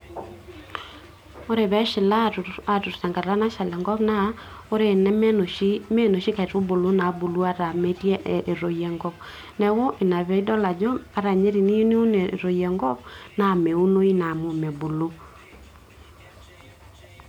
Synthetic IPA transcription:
o˦ɾe˨βɛ˨˦ʃɪ˨la˦˨a˨tu˨ɾsa˨ŋɡa˨ɾa˦na˦ʃa˨lɛ˨ŋɡɔ˦pna˦ | o˦ɾe˨nɛ˦m˦no˨i˦me˦no˨ʃi˦ka˨ɾu˦bo˨lo˦na˨˦bu˨lu˦a˦ɾa˨mɛ˦tjɛ˦ʔʔe˨ɾo˨jɛ˨ŋɡɔ˦p | nɛ˦wo˦ʔe˨na˨βɛ˨˦i˦dɔ˦la˨d͡ʒo˦a˨ɾa˨ɲe˦ɾi˨ni˦ne˦u˦n˨ɾo˨jɛ˨ŋɡɔ˦p̚na˦˨mɛ˨u˦no˦i˦na˨mo˨mɛ˨bo˨lo˦

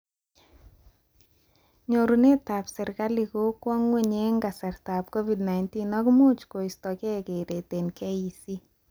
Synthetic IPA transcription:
ɲo˨ɾu˨ne˦ta˨psɪ˨ɾka˦li˨ko˦kwɔ˦ŋwe˦˨ɲe˦ŋɡa˨sɛ˨ɾta˨p̚ko˦vi˨dna˨inti˦nɔ˦kɪ˦mo˦t͡ʃko˨i˨stɔ˨kɛ˦ke˨ɾe˨te˨nkʰɛ˦i˨si˦

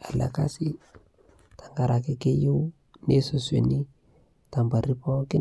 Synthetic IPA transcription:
a˨la̰˨ka̰˦si˦ | ta˨ŋɡa˨ɾa˨kɪ˦ke˦ju˦w | ne˦so˨swḛ˨ni˦ | ta˨mba˨ɾi˦pɔ˦kɪ˦

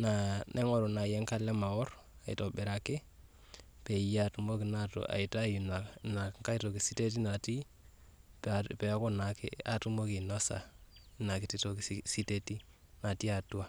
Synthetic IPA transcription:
na˨nʔɛ˦ŋɔ˦ɾo˨na˨jɛ˦ŋka˦lɛ˦ma˨wɔ˦ɾ | a˨ḭ˨tɔ˨bɛ˨ɾa˨ke˦ | pe˨ja˦˨tu˨mo˦ki˨na˦to̰˨ʔa̰˨i˨ta˦ju˨na˨na˨ŋka˦i˦to˨ki˨si˦te˦t̬i˦na˨ti˦ | ppɛ˨˦ko˦na˨kḛ˦a˨tu˦mo˦ki˨nɔ˦sa̰˨˦na˨ki˨ti˦to˨ksi˦te˦ti˦ | na˨ti˦a˨tu˦a˦˨

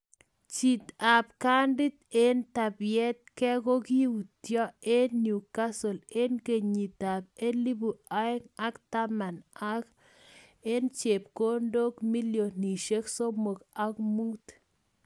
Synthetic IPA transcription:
t͡ʃi˨t̪a˨p̚ka˦ndɪ˦t̪e˦nta˨bjɛ˦t̪̚kɛ˦ɡo˦ki˦u˨t̪jɔ˦e˦nju˨ka˦so˨le˦nke˨ɲi˨t̪a˨p̚e˦li˦bu˨a˦e˦ŋa˦kt̪a˦ma˨na˦k | e˦nt͡ʃe˨p̚ko˦ndo˦kmi˦ljo˨ni˨ʃe˦kso˦mo˨ka˦kmu˦t̪

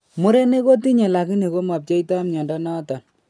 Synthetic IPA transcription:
mʊ˦ɾe˦ne˦ko˦ti˦ɲe˨la˨ki˦ne˨ko˦ma˨p̚t͡ʃe˦itɔ˦mɲɔ˨ndɔ˦nɔ˦tɔ˨n

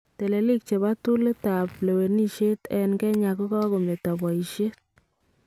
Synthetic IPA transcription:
te˨le˨li˦k̚t͡ʃe˨ba˦tu˦le˦ta˨ple˨we˨ni˦ʃe˦tɛ˨nɡɛ˦ɲa˨ko˦ka˦ko˨mle˨ta˨bwa˨i˨ʃe˦t̚

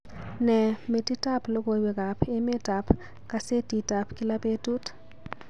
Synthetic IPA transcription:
nɛ˨me˨ti˦ta˦plo˦ɡo˨wɪ˨ka˨pʰe˦mɪ˦ta˨p | ka˦se˦ti˨ta˨pki˦la˦pe˦tu˦t

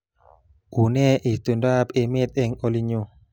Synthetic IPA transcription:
u˨nɛ˦ʔi˨t̪u˨nda˦pe˧mɪ˦t̪ɛ˦ŋo˨li˦ɲo˦˧

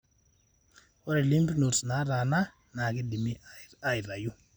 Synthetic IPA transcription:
ɔ˦ɾɛ˨li˦mpi˦no˨tna˨˦ɾa˨na˦ | na˨kɪ˦di˨mi˦a˨jɾa˨ju˦

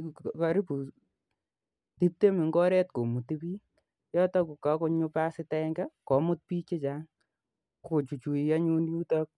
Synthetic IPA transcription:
ka˨ɾi˦pu˨ | ti˦p̚te˦mɪ˨ŋɡɔ˦ɾɛ˦t̚ko˨mu˨ti˦piː˦ | jɔ˦tɔ˦ku˨ka˨˦kɔ˧ɲʊ˧pa˦sɪ˨tɛŋɡɛ˦kɔ˨˦mʊ˦t̚pi˦t͡ʃɪ˦t͡ʃa˦ŋ | ko˨t͡ʃu˨t͡ʃu˨i˨ja˦ɲu˦nju˦ta˦k̚

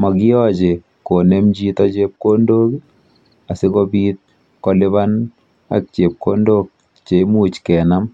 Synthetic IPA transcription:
mɔ˨ki˦jɔ˦t͡ʃe˨ | ko˨nɛ˦md͡ʒi˦ta˦t͡ʃe˦p̚ko˦ndo˦k | a˨se˦kopiː˦t̚ | kɔlɪ˦βa˦n | a̰˨k̚t͡ʃe˨p̚ko˦ndo˦k̚ | t͡ʃe˨mu˨t͡ʃkɛ˨nam

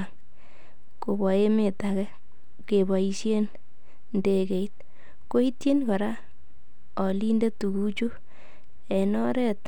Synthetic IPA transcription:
ŋ | ko˨bɔ˨e˦me˨takɛ˦ | ke˨ba˨i˨ʃje˦n | ndeke˨it̚ | ko˦i˦tje˦nkɔ˨ɾa˦ | ɔ˨li˦nde˦tu˨ɡu˦t͡ʃu˦ | e˨nɔ˦ɾɛ˦t

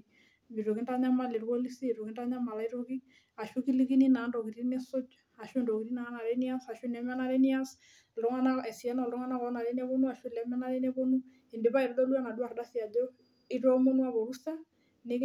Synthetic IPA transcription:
mi˨ɾo˨ki˦nda˦ɲa˦ma˦˨le˨ɾwo˦li˦si˦i˨ɾo˨ki˦nda˦ɲa˦ma˨la˦i˦ɾo˦ki˦ | a˨ʃu˦ki˦li˦ki˦ni˦na˨˦ndɔ˨ki˨ɾi˦nɛ˦so˦d͡ʒa˨ʃo˦ndɔ˨ki˨ɾi˦na˨˦na˨ɾe˦ni˦a˦sa˨ʃu˦n˨ɛ˨˦mɛ˦na˦ɾɛ˦ni˦a˦s | lɔ˦ŋa˦na˦ɛ˨si˨ɛ˦nɔ˨lɔ˦ŋa˦na˦kɔ˨˦na˨ɾe˦nɛ˦βo˦nu˦a˨ʃu˦lɛ˨˦mɛ˦na˦ɾe˦nɛ˦βo˦nu˦ | e˨nde˨pa˦i˨ɾɔ˦dɔ˦lu˦a˦na˨du˦a˨ɾda˦si˦a˨d͡ʒɔ˦ | i˦˨ɾɔ˦mo˦nu˦a˦βo˨ɾu˦sa˦ | ne˦k

